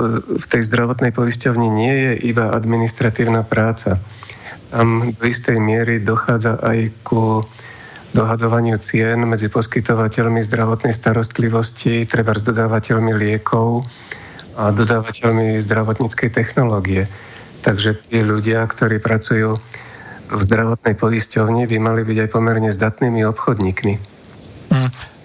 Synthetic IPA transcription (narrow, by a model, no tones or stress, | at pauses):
ft̪ɛjzd̪ɾaʋɔt̪nɛjpɔiscɔʊɲiɲɪɛjɛʔibaʔa̰d̪minist̪ɾat̪iːʊnapɾaːt͡sat̪amd̪ɔist̪ɛjmɪɛɾid̪ɔxaːd͡zaʔajku | d̪ɔɦad̪ɔʋaɲɪut͡sɪɛnmɛd͡zipɔskit̪ɔʋacɛʎmizd̪ɾaʋɔt̪nɛjst̪aɾɔst̪liʋɔscit̪ɾɛbaɾzd̪ɔd̪aːʋacɛʎmilɪɛkʰɔʊ | ad̪ɔd̪aːʋacɛʎmizd̪ɾaʋɔt̪ɲit͡skɛjt̪ɛxnɔlɔːɡiɛ | t̪aɡʒɛt̪iːʎuɟɪakt̪ɔɾiːpɾat͡sujuː | vzd̪ɾaʋɔt̪nɛjpɔiscɔʊɲibimalibiɟajpɔmɛɾɲɛzd̪at̪niːmiɔpxɔd̪ɲiːkmi